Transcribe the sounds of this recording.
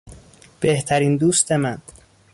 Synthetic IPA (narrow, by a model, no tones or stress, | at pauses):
b̥e̞ht̪ʰæɾiːnd̪uːst̪e̞mæn